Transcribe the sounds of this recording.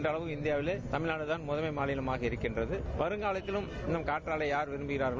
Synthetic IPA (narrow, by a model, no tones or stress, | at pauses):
ndrɐɭɐʋɯmɪnd̪ɪjaːʋɪlet̪ɐmɪɻnaːɽɯt̪aːnmʊðɐmɐɪmaːlɪjɪlɐmaːɣɐɪɾɯkːɪndrɐðɯʋɐɾɯŋɡaːlɐt̪ːɪlɯm | ɪnɐmkaːʈraːlɐjaːɾʋɪɾɯmbɯɣɪɾaːɾɣɐɭ